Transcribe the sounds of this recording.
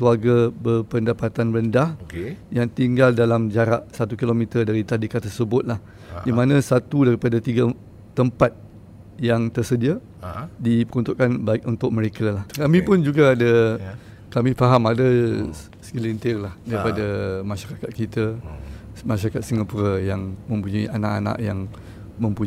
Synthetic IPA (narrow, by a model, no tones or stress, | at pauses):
kluarɡabərpəndapat̪anrəndahjaŋt̪iŋɡaldalamd͡ʒaɾaʔsat̪ukilomĩt̪ərdaɾit̪adikat̪ːərsəbʊt̪̚lah | dimãnãsat̪udaɾipadat̪iɡa | t̪əmpat̪̚ | jaŋt̪ərsədia | dipəɾunt̪uʔkːanbaɪk̚unt̪ʊk̚mə̃ɾekalahkamĩpʊnd͡ʒuɡaːda | kamĩfaɦamada | skilint̪ɪrlahdaɾipadamãʃaɾakat̪̚kit̪a | mãʃaɾakat̪̚siŋapuɾajaŋmə̃mpuɲaiʔanaʔana̰ʔjaŋ | mə̃mpuɲ